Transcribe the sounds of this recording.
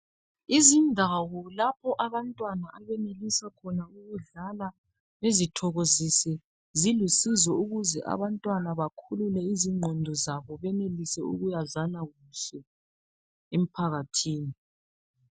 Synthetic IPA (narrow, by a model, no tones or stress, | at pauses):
izindʱawɔlapʰɔʔaβantʼwanaʔaβɛnelisakʰɔnauɣuɮala | βezitʰɔɣozisɛ | zilusizɔuɣuzɛ̰ʔa̰βantʼwanaβakʰululɛiziŋ͡ǀʱɔndʱɔzaβɔβɛnelisɛṵɣujazanaɣusɛ | em̩pʰaɣatʰiːni